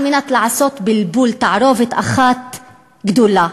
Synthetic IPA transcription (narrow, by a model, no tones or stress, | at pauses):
minat̪laʕasoːt̪bɪlbuːlt̪aʕɾoːvɪt̪ʔa̰xat̪ | ɡd̪ulːa